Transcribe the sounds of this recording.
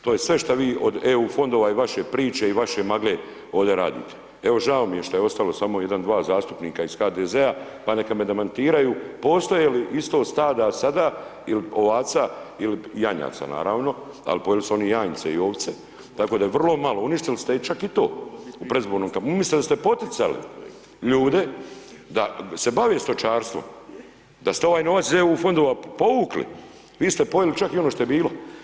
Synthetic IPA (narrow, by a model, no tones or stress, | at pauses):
t̪oːjesʋe̞ʃt̪aʋiːʔod̪euːfo̞nd̪oʋaiʋaʃe̞pɾiːt͡ʃeiʋaʃe̞maɡle | oːʋd̪eɾa̰ːd̪ḭːt̪ʰe̥ | eʋo̞ʒao̞mijeʃt̪oje̞o̞st̪alo̞samo̞je̞d̪and̪ʋaːzaːst̪u̥pniːkaizxaːd̪ezea | pane̞kamed̪emant̪iːɾajuːpo̞ːst̪ojeliʔist̪o̞ːst̪aːd̪asad̪aːilio̞ʋaːt̪sailijaɲa̰t̪sa̰na̰ːɾaːʋno̞ | a̰lipo̞jelisuo̞nijaːɲsḛḭo̞ːʋt̪se | t̪akod̪ajeʋr̩lo̞malouniʃt̪ilist̪et͡ʃakit̪o̞̰ːupɾezboːɾnomkamislid̪ast̪epo̞t̪it̪sa̰lḭ | ʎuːd̪e̞d̪ase̞baʋest̪o̞t͡ʃaːɾst̪ʋo̰m | d̪ast̪eo̞ʋaːjno̞ʋatszeuːfo̞nd̪oʋapo̞ʋuːklḭ | ʋiːst̪epo̞jelit͡ʃakio̞noʃt̪o̞je̞biːlo̞